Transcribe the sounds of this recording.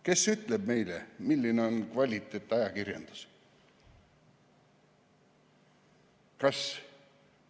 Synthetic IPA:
ke̞syt̪ˑleb̚me̞jlḛmilʲːineo̞nkvɑlʲit̪ːˑeːt̪ːˑɑjɑkirjɑ̰nd̪̥u̥s | kɑs

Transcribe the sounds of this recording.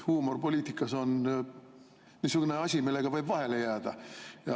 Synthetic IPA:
huːmo̞rpo̞lʲiːt̪ikːˑɑso̞n | nisukune̞ɑsʲimilːe̞ɡ̥ɑvɤjbvɑɦe̞le̞jæːd̪̥ɑjɑ

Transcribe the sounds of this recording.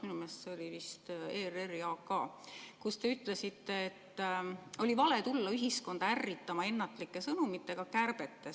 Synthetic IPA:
minume̞ːstseo̞lʲivist̪eːreriɑːkːɑː | kust̪e̞yt̪ˑle̞sit̪ːe̞ːt̪ːo̞lʲivɑle̞t̪ulːɑyɦisko̞nd̪̥ɑærːit̪ːˑɑmɑe̞nːɑt̪ːˑlikːˑe̞sɤnumit̪ːˑe̞ɡ̥ɑkærb̥e̞t̪ːe̞s

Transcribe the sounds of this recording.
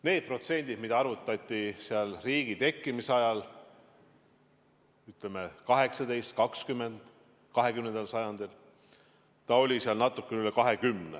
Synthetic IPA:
ne̞ːd̪̥̚pro̞t̪se̞nʲd̪̥id̪̥mid̪ɑɑɾvut̪ːˑɑt̪ʲˑːiseɑlriːɡ̥it̪e̞kːimiseɑjɑl | yt̪leme̞kɑɦe̞ksɑd̪̥e̞jst̪̚kɑkskymːe̞nd̪̥ | kɑɦe̞kymnend̪elsɑjɑnd̪̥il | t̪ɑo̞lʲisiɑlnɑt̪ːˑukːeylekɑɦe̞kymnḛ

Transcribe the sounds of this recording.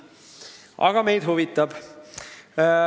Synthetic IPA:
ʔɑ̰ɡ̥ɑme̞jd̪̥ɦuvit̪ːˑɑb̥

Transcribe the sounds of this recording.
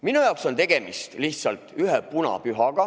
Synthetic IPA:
minujɑˑokso̞nt̪e̞ɡ̥e̞mist̪liht̪sɑlt̪ˑyɦepunɑ̰pyɦɑɡ̥ɑ

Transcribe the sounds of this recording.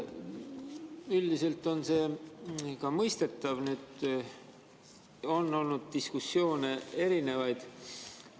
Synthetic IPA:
yld̪ise̞lt̪ːˑo̞nse̞ː | kɑmɤjst̪e̞t̪ːˑɑvnyːd̪ | o̞nːo̞lnud̪̥̚t̪iskusːjo̞ːnee̞ɾine̞vɑjd̪̥

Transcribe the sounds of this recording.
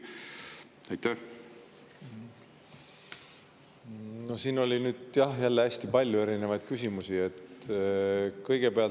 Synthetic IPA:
ɑjt̪æh | nosiːno̞lʲinyːd̪jɑhjælːeæsʲt̪ipɑlʲjue̞ɾinevɑjd̪̥̚kysʲimusie̞t̪ | kɤjɡ̥e̞peɑl

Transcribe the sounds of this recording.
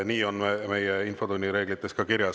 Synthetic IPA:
niːo̞nme̞jeinfo̞d̪unʲːiɾe̞ːɡ̥lit̪ːˑe̞skɑkiɾjɑ

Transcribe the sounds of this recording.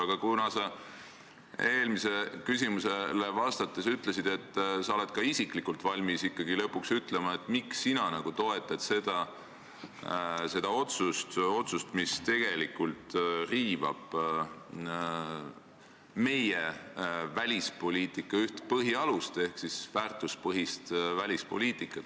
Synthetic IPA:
ɑɡ̥ɑkunɑsɑ | e̞ːlmise̞kysʲimuse̞le̞vɑst̪ɑt̪ːˑesyt̪ˑlesid̪̥e̞t̪ˑːsɑo̞le̞d̪̥kɑisikˑlikːˑult̪ˑvɑlʲmisikːɑɡ̥ilɤpːˑuksyt̪ˑle̞mɑe̞t̪ːˑmiksːinɑnɑɡ̥ut̪o̞e̞t̪ːˑɑd̪̥se̞d̪̥ɑ | se̞d̪̥ɑo̞t̪sust̪o̞t̪sust̪mist̪e̞ɡ̥e̞likult̪riːvɑ̰b̥ | me̞jevælʲispo̞lʲiːt̪ikːˑɑyht̪pɤɦiɑlust̪e̞hksisvæːrt̪ːˑuspɤɦist̪vælʲispo̞̰lʲiːt̪ˑikːˑɑt̪

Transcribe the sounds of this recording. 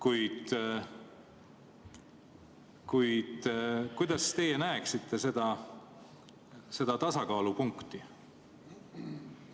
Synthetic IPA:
kujd̪̥ | kujd̪̥kujd̪ɑst̪e̞jenæeksit̪ˑːe̞se̞d̪̥ɑ | se̞d̪̥ɑt̪ɑsɑkɑːlupuŋkt̪i

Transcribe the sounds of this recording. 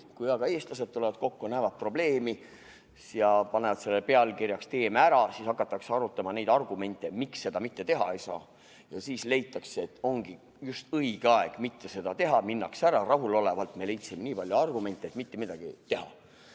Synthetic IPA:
kujɑɡ̥ɑe̞ːst̪lɑse̞d̪̥̚t̪ːulevɑd̪̥ko̞kːunæːvɑt̪̚pro̞b̥le̞ːmi | sɑpɑne̞vɑd̪se̞lːepe̞ɑlkirjɑkst̪e̞ːmeæɾɑsiːsɑkːˑɑt̪ːˑɑkseɑɾut̪ːˑɑmɑnejd̪ɑrɡ̥ume̞nʲt̪ˑːe̞miksːe̞d̪̥ɑmit̪ːe̞t̪e̞ɦɑe̞jsɑ̰ː | jɑsiːsle̞jt̪ːˑɑkseet̪ːˑo̞ŋɡ̥i | just̪ɤiɡ̥eɑe̞ɡ̥mit̪ːe̞se̞d̪ɑt̪e̞ɦɑminːɑksæɾɑrɑɦulo̞le̞vɑlt̪me̞le̞jt̪simeniːpɑljuɑrɡ̥ume̞nʲt̪ːˑeet̪mit̪ːe̞mid̪̥ɑɡ̥ḭt̪e̞ɦɑ̰

